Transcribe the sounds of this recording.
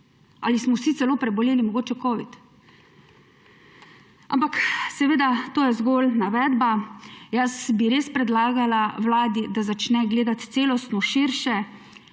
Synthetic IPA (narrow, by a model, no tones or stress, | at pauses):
a̰ːlismɔwsit̪sɛloːpɾɛbɔleːlimɔɡoːt͡ʃɛkɔːʋit̪ | a̰mpaksɛʋeːd̪at̪oːjɛzɡolnaʋɛːd̪bajasbiɾeːspɾɛd̪laːɡalawlaːd̪id̪azat͡ʃnɛɡleːd̪at̪t̪seːlɔst̪nɔʃiɾʃɛ